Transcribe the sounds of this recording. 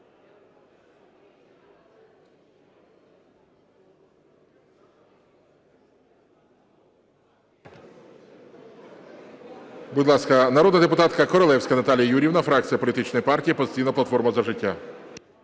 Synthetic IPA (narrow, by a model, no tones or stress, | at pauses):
budʲlˠɑskɐnɐɾɔd̪nɐd̪epʊt̪ɑt̪kɐkɔɾɔlˠɛwsʲkɐnɐt̪ɑlʲijɐjuɾʲiwnɐfɾɑk̚t͡sʲijɐpɔlʲit̪ɪt͡ʃnɔjipɑrtʲijipɔst̪ʲijnɐplɐt̪fɔrmɐzɐʒɪtʲːa